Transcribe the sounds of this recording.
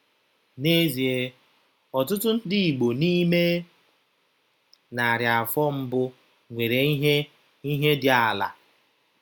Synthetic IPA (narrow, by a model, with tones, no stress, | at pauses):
ne˦zi˨e˨ | ɔ˨tʊ˦tʊ˦n̩˦dɪ˨i˨ɡ͡bo˨ni˦me˦ | na˨ɾja˨a˨fɔ˦m̩˦bʊ˦ | ŋʷe˨ɾe˨˦ɦe˦ | i˦ɦe˦dɪ˨a˨la̰˨